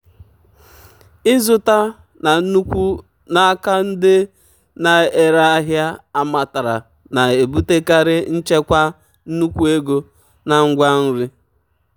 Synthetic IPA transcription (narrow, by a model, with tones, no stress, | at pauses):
ɪ˦zʊ˦ta˦ | na˨n̩˦nu˦kʷu˦ | na˦a˦ka˦n̩˦dɪ˦ | na˨e˨ɾa˦a˦ɦja˦a˦ma˨ta˨ɾa˨ | na˨e˨bu˦te˦ka˦ɾɪ˦n̩˦t͡ʃe˦kʷa˦ | n̩˦nu˦kʷu˦e˦ɡo˦ | na˨ŋ̩˦ɡʷa˦n̩˦ɾi˦